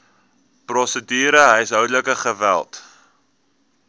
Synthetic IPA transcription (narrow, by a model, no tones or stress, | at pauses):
prɔsədyːɾəɦəjsɦœwdələkəχəvæ̰lˠt